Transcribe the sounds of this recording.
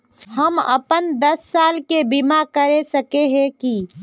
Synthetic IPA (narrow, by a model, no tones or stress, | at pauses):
hɐmɐ̰pənd̪ɐsːaːlkebimakɐɾesɐkeɦɛ̃ki